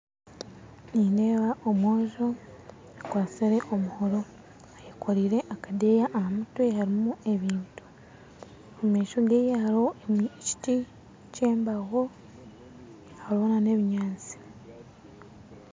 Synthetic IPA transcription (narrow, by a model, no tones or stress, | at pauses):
niːnde̞ːβaʔomwoːʒo | akwaːt͡siɾe̞ʔomuhoɾo̞ | ajekʰoɾiːɾe̞ʔakade̞jaʔːhamutwehaɾimue̞βiːntu̥ | omeːʃoɡejehaɾo̞emci̥ti | ce̞ːmbaɣo̞ | halonane̞ːβiɲaːt͡si̥